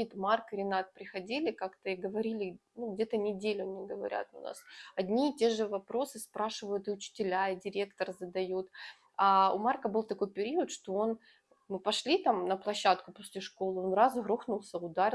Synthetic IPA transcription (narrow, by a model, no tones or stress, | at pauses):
it̪markɨɾʲɪnat̪̚pɾʲɪxɐdʲilʲɪkakt̪əɪɡəvɐɾʲilʲɪnuɡdʲet̪ənʲɪdʲelʲʊnʲɪɡəvɐɾʲʔa̰t̪ʊ̰nʔa̰sɐdʲnʲiːtʲe̞ʐɨvɐpɾo̞sɨspɾaʂɨvəjʊt̪ɨʊt͡ɕɪ̥tʲɪlʲaɪdʲɪɾʲe̞kt̪ərzəd̪ɐjut̪ | aʊ̰markəbɨlˠt̪ɐko̞jpʲɪɾʲiʊət̪ʂt̪o̞o̞n | mɨpɐʂlʲit̪amnəplˠɐɕːat̪kʊposʲlʲɪʂko̞lˠɨo̞nrazɣɾoxnʊlˠsʲəʊd̪aɾʲɪ